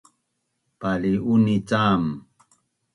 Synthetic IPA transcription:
paliunit͡sam

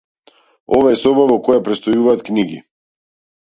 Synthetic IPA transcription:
ɔvaɛsɔbavɔkɔjapɾɛt̪st̪ɔjuvaːt̪kniɡḭ

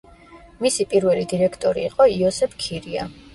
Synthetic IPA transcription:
misipʼiɾvɛlid̪iɾɛkʰt̪ʼɔɾḭːqʼɔiɔsɛpʰkʰiɾia̰

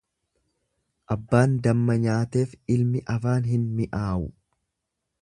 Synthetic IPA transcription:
ʔɐbːaːnd̪ɐmːɐɲaːt̪e̞ːfɪlmɪʔɐfaːnɦɪnmɪʔaːʔʊ

